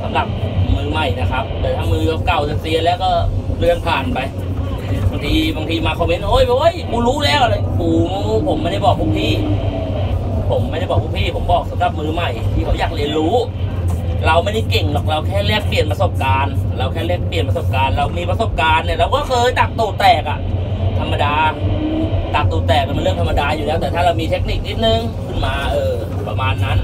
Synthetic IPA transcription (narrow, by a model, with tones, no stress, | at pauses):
sa˨˦mla˧˦p̚mɯː˧ma˨˩jna˦˥kʰa˦˥p̚dɯː˧˩t̪ʰaː˦˥ŋmɯː˧ka˧˩ka˨˩wsa˨˧˩si˧ɐ˧lɛː˦˥˩wkɔː˧˥˩lɯ˧əŋpʰaː˨˩npa˧j | baː˧ŋt̪ʰiː˧baː˧ŋt̪ʰiː˧maː˧kʰo˧me˦˥nʔoː˦˥˨ja˧ʔo˦˥˨jmuː˧˦ɾuː˦˥˨lɛː˦˥˩wʔa˧˩ʔuː˨˩mː˧uː˧˥pʰo˨˦mː˧nda˧˥˩jbɔː˨˩pʰuː˧˥k̚t̪ʰiː˧˥˩ | pʰo˨˩˦mːaː˧na˥˩jbɔː˨˩pʰuː˧˥kp̪ʰiː˧˥˩pʰo˨˩˦mbɔː˨˩k̚sa˨˦mla˧˦p̚mɯː˧ma˨˩jt̪ʰiː˧˩ɾa˨˧wjaː˨˩k̚li˧ənɾuː˦˥ | ɾa˧wma˧ni˧˥˩ke˨˩ŋlɔ˨˩k̚ɾa˧wkʰɛː˥˩li˦˥˩ək̚pli˨˩ənpɾa˧so˨˩p̚kaː˧nɾa˧wkʰɛː˧˩li˧˩ək̚pli˨˩npɾa˧so˨˩p̚kaː˧nɾa˧wmiː˧pɾa˧so˨˩p̚kaː˧nːi˧˩ɾa˧wkɔː˥˩kʰɤː˧jda˨˩k̚t̪uː˨˩t̪ɛː˨˩k̚ʔa̰˨˩t̪ʰa˧mːa˧daː˧ | da˨˩k̚t̪uː˨˩t̪ɛː˨˩k̚a˨˩ma˧nlɯ˥˩əŋt̪ʰma˧daː˧juː˨˩lɛː˦˥˩wt̪ɛː˨˩t̪ʰaː˥˩ɾa˧wmiː˧t̪ʰe˦˥k̚ni˧˨˩k̚ni˦˥t̪̚nɯ˧ŋ | kʰɯ˧˥˩nmaː˧ʔɤː˨˩ | pɾa˧maː˧nːa˦˥n